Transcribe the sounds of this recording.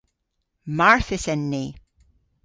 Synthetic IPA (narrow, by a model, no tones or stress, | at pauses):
maɹθɪsɛnːi